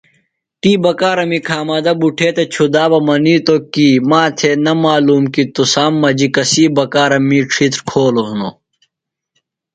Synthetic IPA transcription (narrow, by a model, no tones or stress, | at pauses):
ʈiːbɐkaːɾɐmikʰaːmɐd̪ɐbuʈʰeːt̪et͡ɕʰud̪aːbɐmɐniːt̪okiːmaːt̪ʰenɐmaːluːmkit̪usaːmːɐd͡ʑikɐsiːbɐkaːɾɐmiʈ͡ʂʰit̪ɾkʰoːloɦuno̰